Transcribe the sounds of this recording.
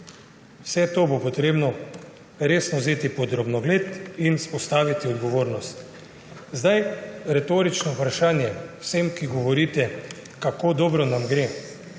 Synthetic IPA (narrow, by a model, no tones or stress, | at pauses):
wsɛt̪oːbopɔt̪ɾeːbnɔ | ɾeːsnɔzeːt̪ipɔd̪ɾobnɔɡleːt̪inspɔst̪aːʋit̪iɔd̪ɡɔʋoːɾnɔst̪ | zd̪ajɾɛt̪oːɾit͡ʃnɔupɾaʃaːnjɛwsemkiɡɔʋɔɾiːt̪ɛ | kakoːd̪ɔbɾɔnamɡɾe